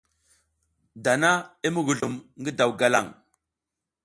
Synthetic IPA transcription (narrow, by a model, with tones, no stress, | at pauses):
da˨na˦i˦mu˦ɡu˨ɮu˨mŋɡə˦da˨wɡa˨la̰˦˨ŋ